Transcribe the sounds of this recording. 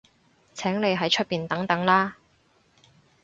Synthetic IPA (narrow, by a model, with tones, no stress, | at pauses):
t͡sʰɛː˨˥ŋle˨˧jɦɐ˨˥jt͡ʃʰɵ˥t̚piː˨nt̪ɐ˨˥ŋt̪ɐ˨˥ŋlaː˥